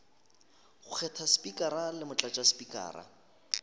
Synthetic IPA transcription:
χʊk͡xʰɛtʰaspʼikʼaɾalɪmʊt͡ɬʼat͡ʃʼaspʼikʼa̰ːɾa̰

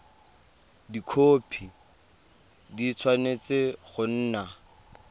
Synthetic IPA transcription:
dikʰoːpʰi | dit͡sʰwanet͡seχʊn̩ːna

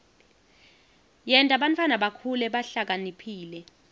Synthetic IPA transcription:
jɛntʼaɓantʰʼwanaɓakʰulɛɓaɬak̬anipʰiːlɛ

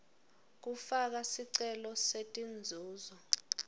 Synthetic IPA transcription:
k̬ufak̬asiǀɛlɔsetʼind͡zʱuːzɔ

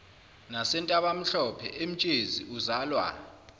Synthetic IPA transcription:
nasɛntʼaɓam̩ɬɔpʰɛ̰ʔem̩t͡ʃʼeziuzaːlwa̰

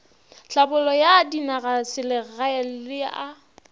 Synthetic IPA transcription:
ɬabʊlɔjadinaɣasɪlɪɣaɛl̩lɪa

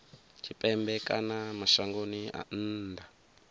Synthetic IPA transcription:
tʰipʼɛmbɛkʼanamaʃaŋɡonia̰n̩ːdʱa

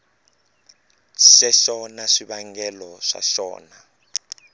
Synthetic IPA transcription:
ʃɛʃɔnaʂiɓaŋɡɛlɔʂa̰ʃɔ̰ːna

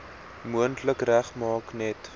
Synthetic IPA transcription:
muəntləkræχmɑːknɛt

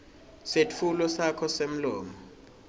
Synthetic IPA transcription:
set͡fʰulɔsakʰɔsem̩lɔːmɔ

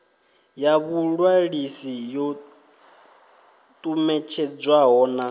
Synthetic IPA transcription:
jaβuɺwaɺisijɔ | t̪ʼumɛt͡ʃʰɛd͡zwaɦɔna

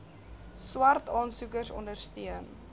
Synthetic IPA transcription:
swɐrtɑːnsukərsɔ̰ndərstiən

